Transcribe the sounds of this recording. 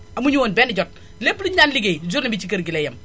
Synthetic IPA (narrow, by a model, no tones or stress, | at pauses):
amuɲuwonbɛːnɪɟɔt̚ | lepːliɲanliɡezuɾnibit͡ʃikɐɾɡilejɐm